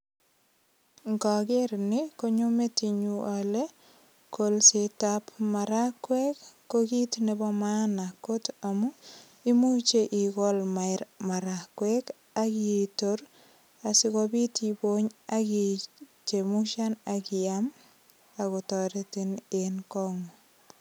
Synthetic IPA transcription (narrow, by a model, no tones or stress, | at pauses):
ŋɡɔkeɾnɪkoɲometiɲuale | kolsitapmaɾakwɛkː | okitnebɔmanakotamu | imut͡ʃeʔikɔlmajɾmaɾakwɛk | akitoɾ | asikobitiboɲakit͡ʃemuʃanakiam | akɔtɔɾetinenkɔŋɔ